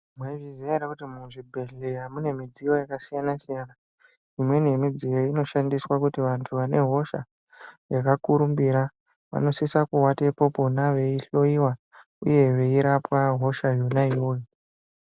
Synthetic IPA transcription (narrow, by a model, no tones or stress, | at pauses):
mweʐizijaɾakutimuʐibʱe̞ɮeɦamune̞mid͡zijo̞jakasijanasijana | imwe̞ne̞mid͡zijoino̞ʃandiswakutiʋantʰuʋane̞ɦo̞ʃa̰ | jakakuɾumbiɾa | ʋa̰no̞sisakuwatepo̞po̞naʋe̞iɬo̞iwa | ṵje̞ʋe̞iɾapwaɦo̞ʃajonaiwo̞ːjo